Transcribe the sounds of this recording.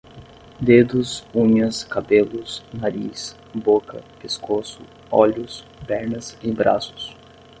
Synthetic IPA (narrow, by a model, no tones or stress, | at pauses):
d̪ed̪ʊsũɲɐskabelʊsnaɾḭs | bokɐ̰peskosʊ̰ | ɔ̰ʎʊs | bɛɾnɐsibɾa̰sʊ̥s